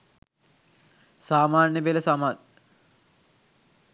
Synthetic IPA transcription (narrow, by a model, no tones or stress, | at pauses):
saːmaːnjəbeləsamat̪̚